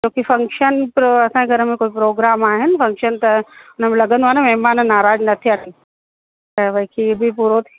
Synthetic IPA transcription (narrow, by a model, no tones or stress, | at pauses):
d͡ʑoːkefɐ̃ŋkʃənpɾɐsãːɲeɡʱɐɾəmẽkoːipɾoːɡɾaːmaːɦɪnɪ̆fɐ̃ŋkʃənt̪ɐʊnəmẽlɐɡə̃nd̪oaɦnmɐɦmaːnnaːɾaːznɐt̪ʰiaɽɪnɪ̆ | t̪ɐʋɐɦikʰebɪpuːɾot̪ʰi̥